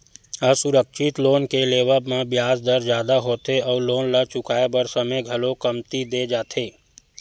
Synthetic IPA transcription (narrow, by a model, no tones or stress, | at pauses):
əsʊɾəkʃɪt̪loːnkeleːwəbmẽbjaːzd̪əɾd͡ʒjaːd̪aɦoːt̪eɔːɾloːnlat͡ʃʊkaːebəɾsəməjɡʱɐlõkɐmt̪id̪eːd͡ʒaːt̪ʰeː